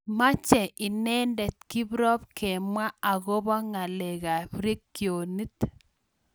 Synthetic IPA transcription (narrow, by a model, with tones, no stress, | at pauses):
ma˦t͡ʃɛ˨ʔɪ˨nɛ˦ndɛ˨t̚ki˦bɾɔ˦p̚kʰɛ˨mwa˦a˨ɣo˦bɔ˦ŋa˨lɛ˨ɣa˨pɾi˦kːjo˨ni˦t